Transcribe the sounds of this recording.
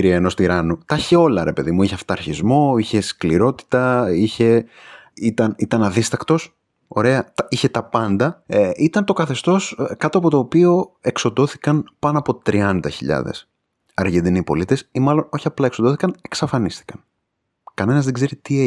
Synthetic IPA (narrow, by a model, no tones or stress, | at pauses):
ɾiɐeno̞st̪iɾɐnut̪ɐçeo̞lɐɾe̞pe̞̰ðimuiçeɐft̪oɐɾçizmo̞içe̞skliɾo̞t̪i̥t̪ɐiçe̞ | it̪ɐnit̪ɐnɐðist̪ɐkt̪o̞s | oɾe̞ɐt̪ɐiçe̞t̪ɐpɐnd̪ɐeit̪ɐnt̪okɐθe̞st̪o̞skɐt̪iɐpo̞t̪o̞ːpio̞e̞kso̞t̪o̞θi̥kɐnpɐnoɐpo̞t̪ɾiɐnd̪ɐçiʎɐ̰ðe̞̰s | ɐɾʝid̪ineipo̞̰lit̪e̞simɐlo̞no̞çiɐplɐeksot̪oθikɐne̞ksɐfɐnist̪i̥kɐn | kɐne̞nɐzðeɡze̞ɾit̪ie